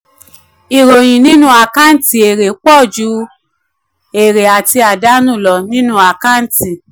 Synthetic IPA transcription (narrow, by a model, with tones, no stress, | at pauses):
i˨ɾo˨j̃ĩ˨nĩ˦nũ˦a˨ka˦n̩˦ti˨e˨ɾe˨k͡pɔ˦˨d͡ʒu˧˦ | e˨ɾe˨a˨ti˧a˨da˦nũ˦˨lɔ˨nĩ˦nũ˦a˨ka˦n̩˦ti˨